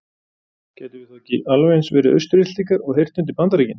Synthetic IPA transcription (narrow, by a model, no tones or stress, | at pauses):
cɛːt̪ɪvɪθahcɪʔalvejnsvɛːɾɪʔœ̰ɥst̪ʏɾɪt̪liŋkaɾɔɣɦejr̥t̪nʏnt̪̬ɪpant̪aɾiːcɪn